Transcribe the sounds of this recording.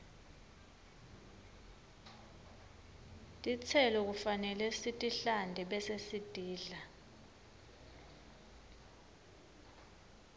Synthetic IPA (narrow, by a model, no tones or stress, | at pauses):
tʼit͡sʰɛlɔk̬ufanɛlɛsitʼiɬandʱɛɓɛsesid̥ʱiːɮa